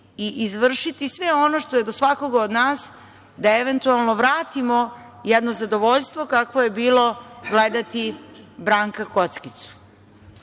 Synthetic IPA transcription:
iʔizʋr̩ʃit̪isʋeo̞noʃt̪o̞jed̪osʋako̞ɡaod̪naːs | d̪aeʋent̪ualˠno̞ʋɾaːt̪imo̞ | jɛd̪nozad̪oʋoʎst̪ʋo̞kakʋo̞jebiːlo̞ɡled̪at̪ibɾaːŋkako̞t̪skit̪su̥

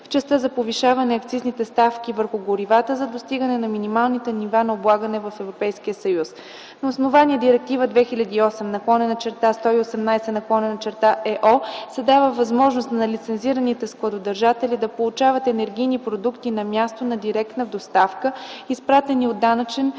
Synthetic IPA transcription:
ft͡ʃɛst̪əzɐpoviʃavɐnɛɐkt̪siznit̪ɛst̪afkʲivəɾxʊɡoɾivat̪əzɐd̪ost̪iɡənɛnɐminimalˠnit̪ɛnivanɐoblˠaɡənɛvɐfɛvɾopɛjsk̟ijəsɐjus | nɐosnovaniəd̪iɾɛk̚t̪ivəd̪vɛxilʲɐd̪iːɔsɛmnɐklˠɔnɛnɐt͡ʃɛɾt̪ast̪ɔiosɛmnajsɛnɐklˠɔnɛnɐt͡ʃɛɾt̪aʔɛʔɔsɛd̪avəvɐzmɔʒnost̪nɐlit̪sɛnziɾənit̪ɛsklˠɐd̪od̪ɐɾʒat̪ɛlid̪ɐpolˠut͡ʃavət̪ɛnɛɾɡʲijnipɾod̪ukt̪inɐmʲjast̪onɐd̪iɾɛk̚t̪nəvd̪ost̪afkəispɾat̪ɛniod̪ːanət͡ʃɛn

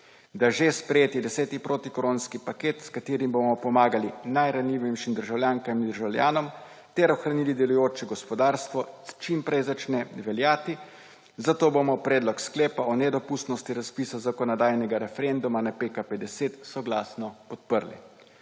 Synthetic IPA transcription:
d̪aʒespɾɛjeːt̪id̪ɛsɛːt̪ipɾʔoːt̪ikɔɾoːnskipakeːt̪skat̪eːɾimbomɔpɔmaːɡalinajɾanliʋimʃimd̪əɾʒawljaːŋkamind̪əɾʒawlja̰ːnɔm | t̪ɛɾɔxɾaniːlid̪ɛlujoːt͡ʃɛɡɔspɔd̪aːɾst̪ʋɔt͡ʃimpɾɛjzat͡ʃnɛʋɛljaːt̪i | zat̪oːbomɔpɾɛːd̪lɔksklɛːpaɔnɛd̪ɔpust̪nɔst̪iɾaspisazakɔnɔd̪aːjnɛɡaɾɛfɛɾend̪umanapeːkapɛd̪ɛseːt̪sɔɡlaːsnɔpɔt̪̚pəɾlḭ

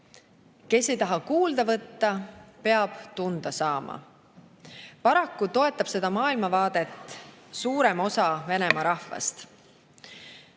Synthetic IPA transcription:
ke̞sːe̞jt̪ɑɦɑkuːld̪̥ɑvɤt̪ːɑpe̞ɑb̥t̪und̪̥ɑsɑːmɑ̰ | pɑɾɑkːˑut̪o̞e̞t̪ːˑɑb̥se̞d̪̥ɑmɑːilmɑvɑːd̪̥e̞t̪ːˑsuːɾemo̞sɑve̞ne̞mɑɾɑhvɑ̰st̪

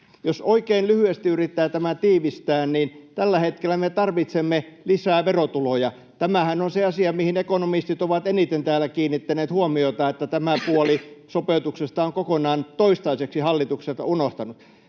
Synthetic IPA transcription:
josoikeinlyhyest̪iyrit̪ːæːt̪æmænt̪iːʋist̪æːnniːnt̪ælːæhet̪kelːˑæmet̪ɑrʋit̪semːelisæːʋerot̪ulojɑ | t̪æmæhænonseɑsiɑmihinekonomist̪it̪oʋɑt̪enit̪ent̪æːlːˑækiːnːit̪ːæneːt̪huomioit̪ɑet̪ːæt̪æmæpuolisopeˑut̪uksest̪ɑoŋkokonɑːnt̪oist̪ɑiseksihɑlːit̪ukset̪ɑ̰unoht̪ɑnut̪

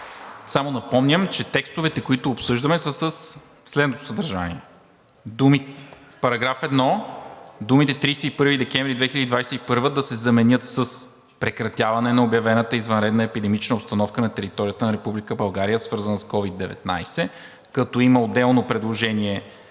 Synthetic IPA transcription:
samonɐpɔmnʲəmt͡ʃɛt̪ɛkst̪ovɛt̪ɛkoit̪ʊːpsɤʒd̪ɐmɛsəsəs | slɛd̪not̪o̥səd̪ɐɾʒa̰nḭɛ | d̪umit̪fpɐɾɐɡɾafɛd̪nɔ | d̪umit̪ɛt̪ɾijsɛipɤɾvid̪ɛkɛɱvɾid̪vɛxilʲəd̪id̪vajsɛipɤɾvəd̪ɐsɛzɐmɛnʲɤt̪səs | pɾɛkɾɐt̪ʲjavɐnɛnɐobjɐvɛnət̪əizvɐnɾɛd̪nəɛpid̪ɛmit͡ʃnəopst̪ɐnɔfkənɐt̪ɛɾit̪ɔɾijət̪ənɐɾɛpublikəbɐlˠɡaɾijəsvɤɾzɐnəskɔvid̪ːɛvɛ̰t̪na̰jsɛ | kɐt̪ɔiməod̪ɛlˠnopɾɛd̪lˠoʒɛniɛ

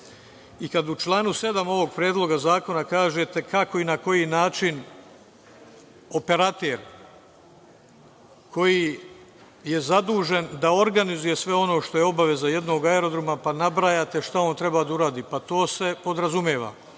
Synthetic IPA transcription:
ikad̪ut͡ʃlˠaːnuse̞d̪amo̞ʋo̞ɡ̚pɾeːd̪lˠo̞ɡazaːko̞nakaːʒet̪e̞kʰako̞inako̞jinaːt͡ʃin | o̞pe̞ɾat̪eɾ | kʰo̞ji | je̞zad̪uːʒe̞nd̪ao̞ɾɡanizuje̞sʋe̞o̞no̞ːʃt̪o̞je̞o̞baʋe̞zaje̞d̪no̞ːɡaeɾo̞d̪ɾomapanabɾaːjaːt̪e̞ʃt̪ao̞ːnt̪ɾe̞bad̪auɾaːd̪iːpat̪o̞ːse̞po̞d̪ɾazumjeːʋa̰

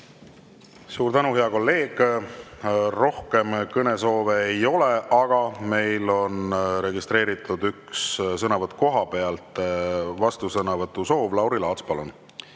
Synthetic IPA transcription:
suːɾt̪ænuɦe̞ɑko̞lːe̞ːɡ̥ | ro̞hke̞mkɤne̞so̞ːveejo̞le̞ʔɑɡ̥ɑme̞jlo̞nɾe̞ɡist̪ɾe̞ːɾit̪ːˑud̪ykssɤnɑvɤt̪ːˑko̞ɦɑpe̞ɑlt̪ˑvɑst̪usɤnɑvɤt̪ːˑuso̞ːvlɑwɾilɑːt̪spɑlon

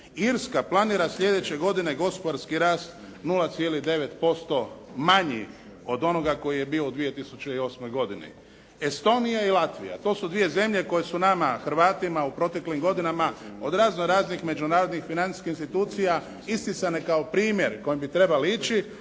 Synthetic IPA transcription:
iɾskaplˠaniːɾasʎe̞d̪e̞t͡ɕe̞ɡo̞d̪ine̞ɡo̞spod̪aɾskiɾaːst̪ | nulat̪sjelid̪e̞ʋe̞t̪po̞st̪o̞maɲḭ | o̞d̪o̞no̞ɡako̞jije̞bio̞ud̪ʋije̞t̪isut͡ʃe̞io̞ːsmo̞jɡo̞d̪inḭ | est̪o̞ːnijailˠat̪ʋḭja̰t̪o̞ːsud̪ʋije̞ze̞mʎe̞ko̞je̞sunamaxɾʋaːt̪imaupɾo̞t̪e̞klimɡo̞d̪inamao̞d̪ɾaːznoɾaːznixme̞d͡ʒunaːɾod̪nixfinani̥skixinst̪it̪uːt̪sija | ist̪isane̞kaopɾiːmje̞ɾko̞jimbit̪ɾe̞baleit͡ʃi

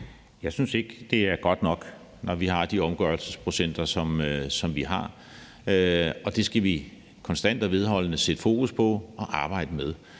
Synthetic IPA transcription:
jɑ̈ɪsynse̝ɡ̥d̥e̝æɐɡ̥ɒ̽d̥nɒ̽ɡ̥ | nɒʋiɦɑ̈d̥iɒ̽mɡ̥ɶɐlsəspʰʁo̝sen̰d̥ɐsɒ̽msɒ̽mʋiɦɑ̈ | ɒ̽d̥e̝sɡ̥æʋi | kʰɒ̽nsd̥æn̰d̥æʋe̝ð̞ˠɦɒ̽l̰ənəsed̥ə̥fo̝̰ːkʰuspʰɒ̽ɒ̽ʔɑ̈ːb̥ɑ̈ɪ̰d̥əmeð̞ˠ

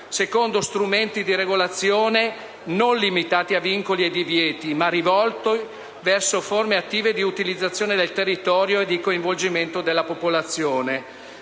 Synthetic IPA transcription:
sekond̪ost̪ɾument̪id̪iɾeɡolat̪sːjoːne | nonlimit̪aːt̪iaviŋkolied̪ivjɛːt̪imarivɔlt̪o | vɛrsoformeat̪ːiːved̪iut̪ilid̪zːat̪sːjoːned̪elt̪erːit̪ɔːɾjoed̪ikoiɱvold͡ʒiment̪od̪elːapopolat̪sːjoːne

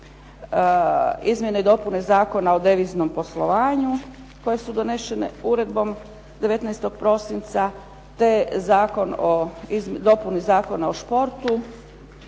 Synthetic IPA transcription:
izmʲjeneid̪o̞punezaːko̞naod̪eʋizno̞mpo̞slo̞ʋaːɲu | ko̞je̞sud̪o̞ne̞ʃe̞nḛuɾe̞d̪bo̞m | d̪e̞ʋe̞t̪nɛjst̪o̞ɡ̥̚pɾo̞sint̪sa | t̪e̞zaːko̞noizd̪o̞punizaːko̞naoʃpo̞ɾt̪u

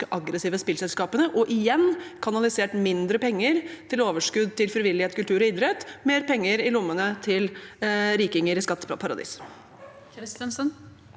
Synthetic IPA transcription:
əʔɑɡɾəsiːʋəspɪlsɛlskɑːpənəʔɔʔɪjɛnːkʰɑnɑlɪseːʈmɪnd̪ɾəpɛŋːəɾt̪ʰɪloːʋəʂkʉd̪t̪ɪlfɾɪʋɪlːɪheːt̪kʉlt̪ʉːɾɔɪd̪ɾɛt̪ːmeːɾpʰɛŋːəɾɪlʊmːənət̪ʰɪlɾiːkɪŋəɾɪskɑt̪ːpʰɑɾɑd̪ḭːs | ənsən

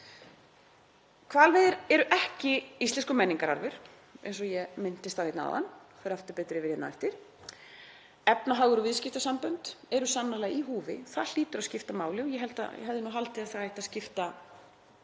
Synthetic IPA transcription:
kʰvaːlvejðɪɾɛɾʏʔɛhcɪist̪ɛnskʏmɛnːiŋkaɾa̰ɾvʏɾ̥ | ḛnsɔjɛmɪn̥t̪ɪst̪awheːt̪na̰ða̰nː | fɛɾaft̪ʏɾpɛːt̪ɾɪvɪɾjɛt̪navajht̪ɪɾ̥ | ɛpnaɦaːɣʏɾʏvɪðscɪft̪asampœnt̪ɛɾʏsanːalɛːɣiɦuːvɪ̰θaðliːt̪ʏɾaðscɪft̪amaːwlɪɣjɛɦɛlt̪a̰jɛ̰ɦɛvðɪnuɦalt̪ɪaðθaajht̪ascɪft̪a

